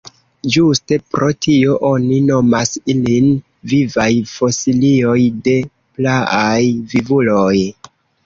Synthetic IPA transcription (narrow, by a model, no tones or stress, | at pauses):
d͡ʒuste̞pɾo̞tʰio̞ʔo̞nino̞masilin | vivajfo̞silio̞jde̞ | plaajvivuloj